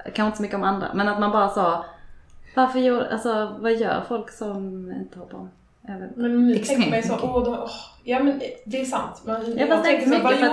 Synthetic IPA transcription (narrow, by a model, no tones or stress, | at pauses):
kʰãnʃɪt̪əsɔmʏkːəɔmand̪ɾa̰mɛnat̪manbɑːɾasɑː | vaɾfœɾjuːʔa̰lsɔvajœ̰ːɾfɔlksɔmɪ̰nt̪ə̥hɔlpʰːɔm | ɛːvənmɛnɪkɛŋɛmɛjsɔod̪ɛɔhjɑːmɛnd̪ɛːsa̰nt̪mɛnjaɡfast̪ɛk̪əmʏkːəfɾa